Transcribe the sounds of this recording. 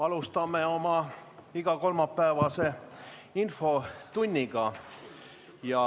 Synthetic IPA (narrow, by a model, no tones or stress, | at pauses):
ɑlust̪ɑmeo̞mɑiɡ̥ɑko̞lmɑpːæːvɑse̞ | info̞t̪unʲːiɡ̥ɑ | jɑ